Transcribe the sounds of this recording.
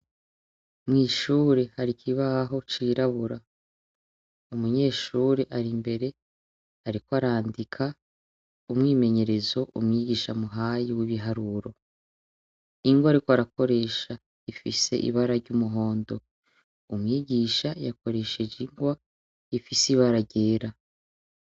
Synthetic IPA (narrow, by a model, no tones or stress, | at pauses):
mŋiːʃuːɾe̞haɾikʰiβaɦo̞t͡ʃiːɾaβuɾa | umuɲe̞ːʃuɾe̞ʔaɾimbe̞ɾe̞ | haɾikoaɾaːndikʰa | umŋiːme̞ɲe̞ɾe̞zo̞ʔṵmŋiːɟiːʃamuɦajiwiβiɦaɾuɾo̞ | iŋɡwaːɾikoaɾako̞ɾe̞ːʃa | ifise̞̰ʔḭβaɾaɾɟumuɦo̞ːndo̞ | umŋiːɟiːʃajako̞ɾe̞ʃe̞d͡ʒiŋɡwa | ifisiβaɾaɟeːɾa